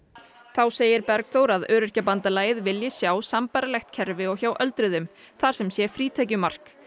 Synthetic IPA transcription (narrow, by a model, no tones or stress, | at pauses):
θawseːjɪɾpɛɾkθowɾaðœːɾʏɾ̥capant̪alaːjɪðvɪljɪsjaːwsampaːɾalɛxt̪cʰɛɾvɪɔɣçaːwʔœlt̪ɾʏðʏm | θaɾ̥sɛmsjɛfɾiːt̪ʰɛc̬ʏmar̥k